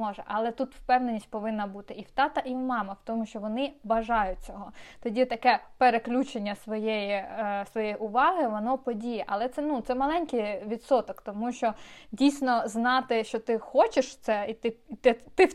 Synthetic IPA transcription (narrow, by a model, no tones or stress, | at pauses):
ɔʒɛʔɐlˠɛt̪ut̪wpɛwnenʲisʲt̚ʲpɔʋɪnːɐbut̪ɪiwt̪ɑt̪ɐʔiwmɑmɐwt̪ɔmʊʃt͡ʃɔʋɔnɪbɐʒɑjʊt̚ʲt͡sʲɔɦɔt̪ɔdʲit̪ɐkɛpeɾeklʲut͡ʃenʲːɐsʋɔjejisʋɔjɛjʔʊʋɑɦɪʋɔnɔpɔdʲijɛʔɐlˠɛt̪sɛnut̪sɛmɐlˠɛnʲkɪjʋʲid̪sɔt̪ɔkt̪ɔmuʃt͡ʃɔdʲijsʲnɔznɑt̪ɪʃt͡ʃɔt̪ɪxɔt͡ʃeʃt̪sɛit̪ɪt̪ɪt̪ɪ